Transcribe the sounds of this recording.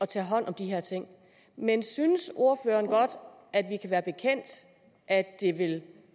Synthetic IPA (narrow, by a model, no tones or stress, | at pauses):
ɒ̽t͡sʰɛːɦɒ̽n̰ʔɒ̽md̥iɦeɐt͡sʰe̝ŋ̰ | mensynəso̝ɐfø̰ːɐnɡ̥ɒ̽d̥ | ʔæd̥ʋikʰæʋæːɐb̥e̝kʰen̰d̥ | ʔædd̥e̝ʋe̝l